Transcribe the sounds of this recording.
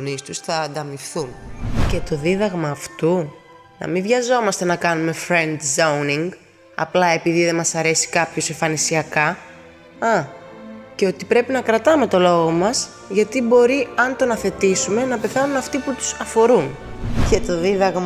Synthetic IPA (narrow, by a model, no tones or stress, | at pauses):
nist̪usθɐːnd̪ɐmifθunce̞t̪o̞ðiðɐɣmɐːft̪u | nɐ̰mivʝɐzo̞mɐst̪e̞nɐkɐnume̞fɾe̞nd̪zɐwniŋɡ | ɐ̰plɐe̞piðiðe̞mɐsɐɾe̞si̥kɐpço̞seɱfɐnisiɐkɐ | ɐ | ceo̞t̪ipɾe̞pinɐkɾɐt̪ɐme̞t̪o̞lo̞ɣo̞mɐs | ʝɐt̪ibo̞ɾiɐnt̪o̞nɐθe̞t̪isume̞nɐpe̞θɐnunɐft̪iput̪u̥sɐfo̞ɾun | ce̞t̪o̞ðiðɐɣm